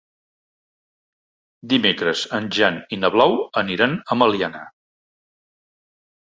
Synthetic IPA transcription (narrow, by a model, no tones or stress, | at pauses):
d̪imekɾəzənʲʒaninəβlawəniɾanəməliana̰